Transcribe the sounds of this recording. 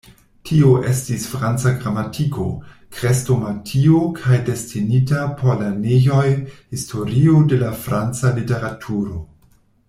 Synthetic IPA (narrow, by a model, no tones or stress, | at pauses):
tʰioʔe̞stisfɾant͡saɡɾamatʰiko̞̰ | kɾesto̞matʰiokʰajde̞stinitapʰoɾlaneʝo̞jhistʰo̞ɾiode̞lafɾant͡salite̞ɾatʰuɾo̞